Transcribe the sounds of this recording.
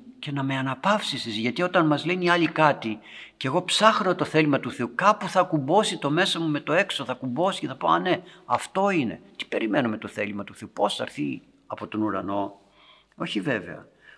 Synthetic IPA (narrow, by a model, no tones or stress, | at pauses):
ce̞nɐme̞ɐnɐpɐfsisizʝɐt̪io̞t̪ɐnmɐzleniɐlikɐt̪ice̞ɣo̞psɐxno̞t̪o̞θelimɐt̪uθe̞ukɐpuθɐkumbo̞sit̪o̞me̞sɐmume̞t̪o̞e̞ksoθɐkumbo̞si̥ceθɐpoɐ̰ne̞ɐft̪o̞ine̞̰t̪i̥pe̞ɾime̞nume̞t̪o̞θe̞limɐt̪uθeupo̞sθɐ̰ɾθi | ɐpo̞t̪o̞nuɾɐno̞ | o̞çive̞ve̞̰ɐ̰